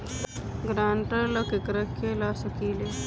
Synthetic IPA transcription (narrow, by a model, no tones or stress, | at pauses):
ɡɾaːɳʈələkɪkɾəkʰːelaːsəkiːleː